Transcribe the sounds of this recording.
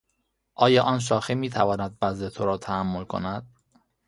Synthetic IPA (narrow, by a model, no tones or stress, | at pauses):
ʔɒːjɒːʔɒːnʃ̬ɒːxemiːt̪ʰævɒːnæd̪̚bæzd̪e̞t̪ʰoɾɒːt̪ʰæhæmːo̞lkʰo̞̰næd̪̥